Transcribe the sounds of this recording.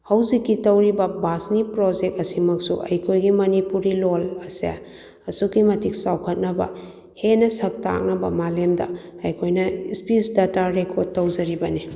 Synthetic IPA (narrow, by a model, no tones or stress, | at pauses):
hɐwzikːitɐwɾibɐbasnipɾod͡ʒek̚t̚ɐsimɐksṵʔɐ̰jkʰojɡimɐnipuɾilolɐsḛ | ɐsukːimɐtʰik̚sawkʰɐt̚nɐbɐ̰ | henɐsɐk̚ta̰k̚nɐbɐ̰malemdɐ̰ | ɐjkʰojnɐispisdataɾekʰoɾd̚tːɐwzɐɾibɐni